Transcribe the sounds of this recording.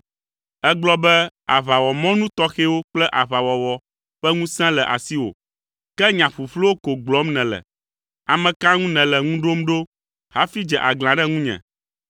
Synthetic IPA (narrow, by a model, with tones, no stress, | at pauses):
ɛ˦ɡ͡blɔ˦bɛ˦a̰˨βa˨wɔ˨mɔ̃˦nũ˦t̪ɔ˦xe˦wo˦k͡plɛ˦ʔa˨βa˨wɔ˨wɔ˨ | ɸɛ˦ŋũ˦sɛ̃˦lɛ˨ʔa̰˨si˦wo̰˨ | kɛ˦ɲã˨ɸu˨ɸlo˦wo˦ko˨ɡ͡blɔ˨˦mnɛ̃˨lɛ̰˨ | a˨mɛ̃˨ka˦ŋũ˦nɛ̃˨lɛ˨ŋũ˦ɖo˦mɖo˦ | ha˦fi˦d͡ʒɛ˨ʔa˨ɡl̃ã˨ɖɛ˦ŋũ˦ɲɛ̰̃˨